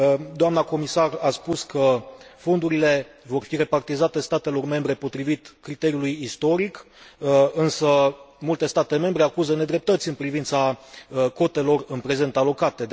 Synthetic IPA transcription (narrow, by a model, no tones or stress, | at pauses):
d̪oamnako̞misaraspuskəfo̞nd̪uɾile̞ | vo̞rfire̞part̪izat̪e̞st̪at̪e̞lo̞rme̞mbɾe̞po̞t̪ɾivit̪kɾit̪e̞ɾiulujist̪o̞ɾik | ɨnsəmult̪e̞st̪at̪e̞me̞mbɾe̞akuzəne̞d̪ɾe̞p̚t̪ət̪sʲɨnpɾivint̪sako̞t̪e̞lo̞rɨnpɾe̞ze̞nt̪alo̞kat̪e̞